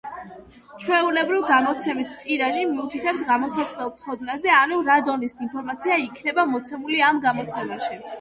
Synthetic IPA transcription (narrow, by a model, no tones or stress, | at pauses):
t͡ʃʰwɛulɛbɾivɡamɔt̪sʰɛmist̪ʼiɾaʒimiut̪ʰit̪ʰɛpsɡamɔsasʼlɛlˠt̪sʰɔd̪nazɛanuɾad̪ɔnisinpʰɔɾmat̪sʰiaikʰnɛbamɔt̪sʰɛmuliamɡamɔt̪sʰɛmaʃi